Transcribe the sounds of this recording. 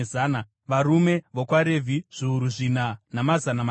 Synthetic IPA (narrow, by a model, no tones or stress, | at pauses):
eana | ʋarume̞ʋokwaɾe̞vʱiʐ̥iuɾuʐinanamazanama